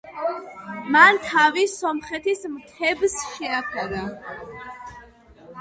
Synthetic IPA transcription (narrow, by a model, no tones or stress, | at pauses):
mant̪ʰavisɔmχɛt̪ʰismt̪ʰɛbsʃɛakʰad̪a